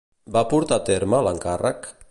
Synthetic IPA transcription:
bapuɾt̪at̪eɾmalaŋkarʔak

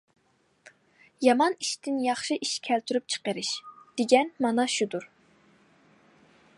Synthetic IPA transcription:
jɑmɑniʃt̪ɪnjɑχʃɨʔiʃkʲʰɛlt̪ʰyɾyp̚t͡ʃʰə̥qəɾɪʃd̪̥eɡʲɛnmɑnɑʃud̪uɾ

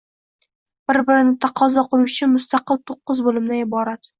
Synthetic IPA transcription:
b̥ɪɾbɪɾɪnɪt̪ʰɑqʰɒzɒqʰɨlˠuʊt͡ʃʰɪnmʊst̪ɑqɨlˠt̪ʰoqːɨzbolɪmd̪aɪbɒɾat̪

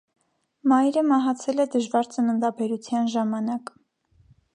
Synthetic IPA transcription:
mɑjɾəmɑɦɑt͡sʰɛlɛd̪əʒvɑɾt͡sənənd̪ɑbɛɾut͡sʰjɑnʒɑmɑnɑk

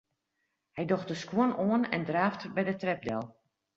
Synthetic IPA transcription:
hɛjdoxt̚dəskwonoənɛ̰ndraːftbɛjdətrɛp̚dɛ̰lˠ

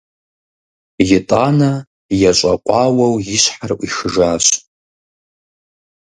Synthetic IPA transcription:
jɪtʼana | jat͡ʃʷʼaqʷʼawawjiʃʷħarʔʷʼiʂʒaʃʷ

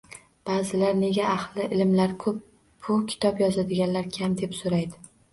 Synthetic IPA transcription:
b̥aːzɪlaɾne̞ɡʲaːχlˠɪʔɪlɪmlaɾkʰɵp̚ | bʊkʲʰɪ̥t̪ʰɒpjɒzad̪ɪɡʲanlaɾkʲʰamd̪e̞psoɾajd̪ɪ

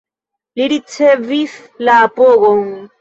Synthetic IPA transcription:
liɾit͡sevif | laːpoɣoŋ

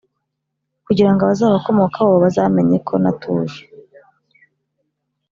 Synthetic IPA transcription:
kuɟiɾaŋɡoβazaːβako̞mo̞kʰaoβazaːme̞ɲe̞kʰo̞natʰuːje̥

